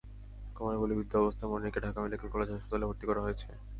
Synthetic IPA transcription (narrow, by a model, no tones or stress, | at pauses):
kɔmanabulibid̪ːoɔbost̪ʰamonikeɖʱakameɖikelkɔled͡ʑeaʃpot̪alebʱoɾt̪ikɔɾaɦoet͡ɕʰe